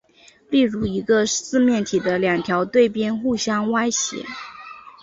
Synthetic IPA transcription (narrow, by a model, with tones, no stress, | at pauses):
li˥˩ɻu˧˥i˧˥ɡə˧sɹ̩˥˧mjɛ˥˩nt̪ʰi˨˩d̪ə˦ljɑ˨˩ŋt̪ʰjɑ˧˥ʊt̪we˥˩ɪpjɛ˥nxu˥˩ɕjɑ˥ŋwa˥ɪɕjɛ̰˧˥